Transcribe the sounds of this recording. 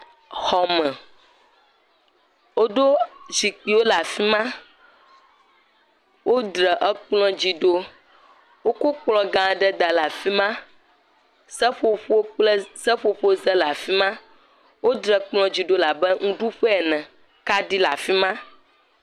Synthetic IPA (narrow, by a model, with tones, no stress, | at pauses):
xɔ˨mɛ̃˨ | wo˦ɖo˦zi˨k͡pi˨wo˦la˨fi˦mã˦ | wʔo˦dɾɛ˨ʔɛ˦k͡plɔ̃˦d͡ʑi˨ɖo˦ | wo˦ko˦k͡plɔ̃˨ɡã˨ɖɛ˦d̪a˨la˨fi˦mã˦ | sɛ˦ɸo˦ɸo˦o˦k͡plə˦sɛ˦ɸo˦ɸo˦zɛ˦la˨fi˦mã˦ | wo˦dɾɛ˨k͡plɔ̃˦d͡ʑi˨ɖo˦la˨bɛ˦ŋũ˦ɖu˦ɸe˦ɛ˨nɛ̃˨ | ka˦ɖi˦la̰˨fi˦mã˦